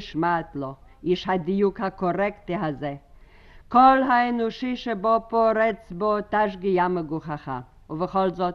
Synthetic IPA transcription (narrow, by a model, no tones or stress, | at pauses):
ʃmaːt̪lɔiʃhad̪ijukhakoɾɛkt̪iɦazɛ | kɔlɦaɛnɔʃiʃɛbɔpɔɾɛt͡sbɔt̪aʃ̬ɡɪjaməɡuχaχa̰ | uvəχɔlzɔt